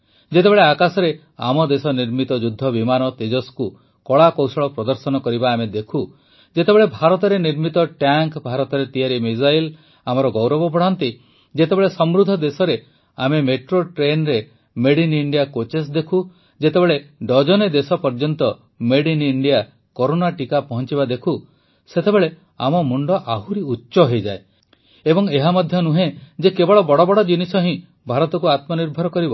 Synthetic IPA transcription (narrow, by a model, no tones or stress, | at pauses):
d͡ʒet̪ebeɭeakasɔɾe | a̰mɔd̪esɔniɾmit̪ɔd͡ʒud̪ʱːɔbimanɔt̪ed͡ʒɔsku | kɔɭakɔwsɔɭɔpɾɔd̪ɔɾsɔnɔkɔɾibaːmed̪ekʰu | d͡ʒet̪ebeɭebʱaɾɔt̪ɔɾeniɾmit̪ɔʈjaŋkbʱaɾɔt̪ɔɾet̪ijaɾimid͡ʒajl | amɔɾɔɡɔwɾɔbɔpɔɽ̤ɔnt̪i | d͡ʒet̪ebeɭesɔmɾud̪ʱɔd̪esɔɾe | amemeʈɾoʈɾenɾe | meɽiniɳɖijakot͡ʃes̬d̪ekʰu | d͡ʒet̪ebeɭeɖɔd͡ʒɔned̪esɔpɔɾd͡ʒɔnt̪ɔ | meɽiniɳɖija | koɾonaʈikapɔɦɔnt͡ʃibad̪ekʰu | set̪ebeɭe | a̰mɔmuɳɖɔʔaɦuɾiutːʃɔɦejd͡ʒae | ebɔŋeɦamɔd̪ʱjɔnuɦẽd͡ʒekebɔɭɔbɔɽɔbɔɽɔd͡ʒinisɔɦĩ | bʱaɾɔt̪ɔkuat̪mɔniɾbʱɔɾɔkɔɾibɔ